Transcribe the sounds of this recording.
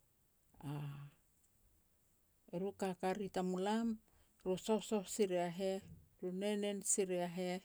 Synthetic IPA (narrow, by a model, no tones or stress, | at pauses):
a | eɾukakaɾitamulam | ɾuso̞hsohsiɾeaɦe̞ɾune̞ne̞nsiɾeaɦe̞